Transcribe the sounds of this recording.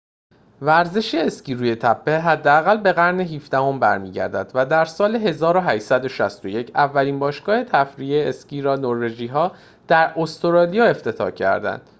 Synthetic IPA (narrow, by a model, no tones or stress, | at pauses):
væɾze̞ʃeːsciːɾuːje̞t̪ʰæpʰːe̞ɦæd̪ːeæɣælbe̞ɣæɾneɦiːfd̪æho̞mbæɾmiːɟæ̰ɾd̪æd̪væd̪æɾsɒːleɦe̞zɒːɾoɦæʃsæd̪o̞ʃæst̪o̞je̞cʰævːæliːnbɒːʃɡ̥ɒːhe̞t̪ʰæfɾijeesciːɾɒːnoɾve̞d͡ʒiːɦɒː | d̪̥æɾost̪oɾɒːlijɒːe̞ft̪ʰe̞t̪ʰɒ̰ːcʰæ̰ɾd̪æ̰nd̪̥